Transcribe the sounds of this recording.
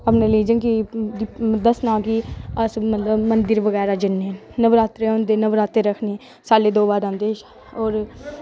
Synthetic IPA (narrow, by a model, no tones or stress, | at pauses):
ɐpneliːd͡ʒə̃nki | d̪əsnãːkiəsmət̪ləbmə̃nd̪ɪɾʋəɣɛːɾad͡ʒɪnːɛnəʋɾaːt̪ɾeʊ̃nd̪enəʋɾaːt̪eɾəkʰne | saːled̪oːbaːd̪ãːnd̪eːʃ | ɔːɾ